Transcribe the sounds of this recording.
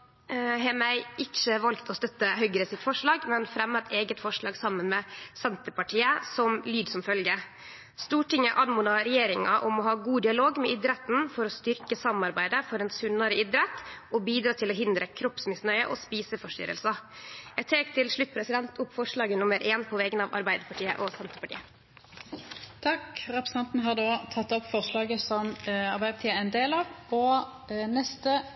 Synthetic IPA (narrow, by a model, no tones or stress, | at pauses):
ɦeːmæɪʔɪt͡ʃːəʋɑlkt̪ʰɔst̪œt̪ːəɦœʏɡɾəsɪt̪fɔʂɭɑːɡmɛnfɾɛmːət̪ʰeːɡət̪fɔʂɭɑːɡsɑmːənmɛːsɛnt̪əpɑʈʰiːəsɔmlyːd̪sɔmfœlɡə | st̪uːʈɪŋːəʔɑnmuːnɑɾɛjeːɾɪŋɑʔɔmɔɦɑːɡuːd̪ɪɑloːɡmɛʔɪd̪ɾɛt̪n̩fɔɾɔst̪ʏɾkəsɑmɑɾbæɪd̪əfɔɾɛnsʉnɑɾəʔɪd̪ɾɛt̪ɔbiːd̪ɾɑːt̪ʰɪlɔɦɪnd̪ɾəkʰɾɔpsmɪsnœʏə̰ʔɔspiːsəfɔʂt̪ʏ̰ɾə̰lsɑjæɡt̪ʰeːkt̪ʰɪlʂɭʉt̪̚ːpʰɾɛsɪd̪ɛnt̪ʰʊpːfɔʂɭɑːɡənʊməɾʔeːnpʰɔʋɛɡənɑʋɑ̰ɾbæɪd̪əpʰɑʈʰiːə̰ʔɔsɛnt̪əpɑʈḭːə | t̪ʰɑkʁɛpɾəsn̩ɑnt̪n̩ɦɑʁd̪oːt̪ʰɑt̪ːɔpfɔʁslɑːɡəsɔmɑɾbæɪd̪əpɑt̪iːəɛnd̪eːlɑːʋɔ | nɛst̪ə